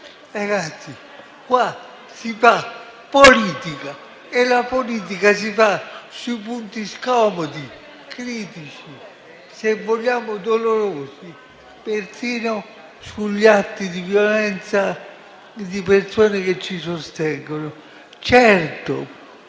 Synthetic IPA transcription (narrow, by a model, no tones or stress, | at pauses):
ɾaɡat̪sːi | kwa | sifa | poliːt̪ika | elapoliːt̪̬ikas̬ifasuipunt̪iskɔmɔd̪i | kɾiːt̪it͡ʃi | sevːoʎːaːmʊd̪oloɾoːsi | persiːno | suʎːat̪ːid̪ivjolɛnt̪sa | d̪ipersoːneket͡ʃːisost̪ɛŋɡonʊ | t͡ʃɛrt̪o̰